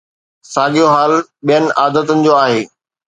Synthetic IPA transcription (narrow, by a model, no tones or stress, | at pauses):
saːɠijoɦaːlɓijənɪ̆ʔaːd̪ət̪ʊnɪ̆d͡ʑoːaːɦeː